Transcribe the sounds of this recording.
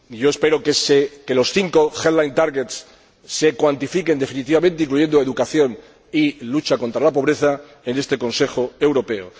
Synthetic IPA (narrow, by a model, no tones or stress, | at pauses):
ʝo̞e̞spe̞ɾokeseke̞lo̞sθiŋkoxeðlajnt̪aɾɣet̪sː | e̞kwant̪ifike̞nd̪e̞finit̪iβamẽnt̪eiŋkluʝe̞nd̪oe̞ðukaθjo̞n | ilut͡ʃako̞nt̪ɾalapo̞β̞ɾe̞θa | ene̞st̪e̞ko̞nse̞xoewɾo̞pe̞o